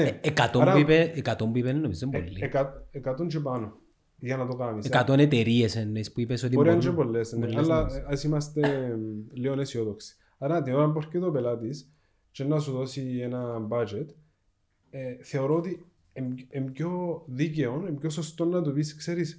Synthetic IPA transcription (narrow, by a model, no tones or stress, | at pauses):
neekat̪oɾaipeekat̪ompipenenːomisembolːiekatekat̪ont͡ʃep̬ano | janat̪okamisekat̪onet̪eɾiesenespuipesot̪ipoɾiand͡ʒebolːesnallːaasimast̪e | leonesiot̪oksi̥ | aɾat̪ioɾamboɾket̪opelat̪is | t͡ʃenːas̬uðosienambad͡ʒet̪ | θeoɾot̪i | ememcoðiceonemcosost̪onːat̪upiskseɾis